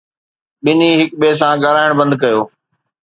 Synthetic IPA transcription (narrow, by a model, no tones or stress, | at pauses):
ɓɪniɦɪkɓeːs̬ãɡəɾaːɪɽ̃bɐ̃nd̪̚kɐjoː